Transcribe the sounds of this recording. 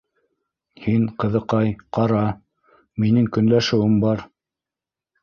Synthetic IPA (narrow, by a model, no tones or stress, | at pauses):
hiŋqɤ̆ðɤ̆qɑjqɑɾɑ | minɘŋkɵ̆nlæʃɘ̆wɘmbɑɾ